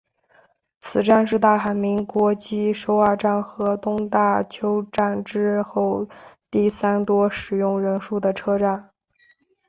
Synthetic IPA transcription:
t͡sʰɹ̩˨˩ʈ͡ʂa˥˧nʂ̬ɻ̩˥˧t̪a˥˩xa˧˩nmi˧˥ŋkwɔ˧˥t͡ɕi˥ʂo˧˥ʊa˞˥˩ʈ͡ʂa˥˩nxɤ˧˥t̪ʊ˥ŋt̪a˥˩t͡ɕʰjo˥ʊʈ͡ʂa˥˩nʈ͡ʂɻ̩˥xo˥˩˧ʊt̪i˥˩sa˥nt̪wɔ˥ʂɻ̩˨˩jʊ˥˩ŋɻə˧˥nʂu˥˩d̪ə˩ʈ͡ʂʰɤ˥ʈ͡ʂa˥˩n

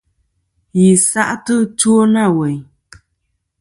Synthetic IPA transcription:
ji˨sa˦ʔtɨ˦t͡ʃwo˦na˦˨wɛ˨ɲ

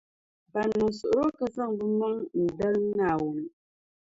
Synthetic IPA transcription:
pa˨nu˨ŋsu˨ʔɾo˦kə˦sa˦˨ŋbɨ˦mə˦ŋn̩˨də˦lnaː˦˨wu˨nə˨

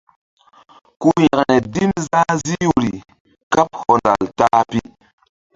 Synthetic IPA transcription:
ku˦jɛ˨knɛ˨di˦nza˦zi˦ju˨ɾi˨ | ka˦p̚hɔ˨nda˨ltaː˦pi˦

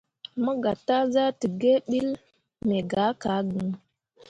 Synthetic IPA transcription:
mə˦ɡa˨tːa˦za˦tə˨ɡe˦ɓi˦l | me˨ɡa˨˦ka˨˦ɡə˨ŋ

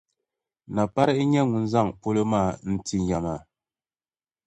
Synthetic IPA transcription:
na˨pa˦ɾɛ˦ʔɲɛ˦ŋu˨n̩˦za˦ŋpo˦lə˦ma˦˨n̩˦ti˦˨ɲ˨ja˨ma˨

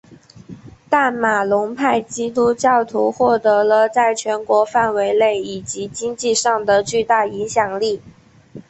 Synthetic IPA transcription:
t̪a˥˩nma˨˩lʊ˧˥ŋpʰa˥˩ɪt͡ɕi˥t̪̬u˥t͡ɕjɑ˥˩ʊt̪ʰu˧˥xwɔ˥˩t̪ɤ˧˥lə˧t͡sa˥˩ɪt͡ɕʰɥɛ˧˥nkwɔ˧˥fa˥˩nwe˧˥ɪle˥˩ɪi˨˩t͡ɕi˧˥t͡ɕi˥ŋt͡ɕi˥˧ʂɑ˥˩ŋd̪ə˩t͡ɕy˥˧t̪a˥˩i˧˥ŋɕjɑ˨˩ŋli˥˩

